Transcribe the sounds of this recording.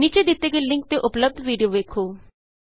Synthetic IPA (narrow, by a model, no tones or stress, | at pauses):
niːt͡ʃed̪ɪt̪ːeɡelɪ̃ŋk̚t̪eʔʊpləb̚d̪ʱʋiːɖijoʋeːkʰoː